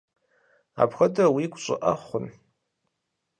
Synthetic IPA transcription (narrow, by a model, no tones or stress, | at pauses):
a̰pxɐdɐwiɡʷʼɕʼɪ̰ʔɐχʷʊn